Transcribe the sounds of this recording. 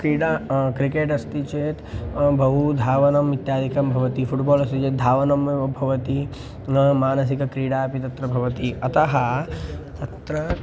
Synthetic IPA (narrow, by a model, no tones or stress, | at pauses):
kɾiːɽaːkɾikeːʈɐst̪it͡ʃeːt̪bʱɐɦud̪ʱaːʋɐnɐmit̪jaːd̪ʱikɐmbʱɐʋɐt̪ifʰuʈbɔːlɐst̪it͡ʃeːt̪̚d̪ʱaːʋɐnɐmbʱɐʋɐt̪i | maːnɐs̬ikɐkɾiːɽaːpit̪ɐt̪ɾɐbʱɐʋɐt̪iɐt̪ɐɦɐt̪ɐt̪ɾɐ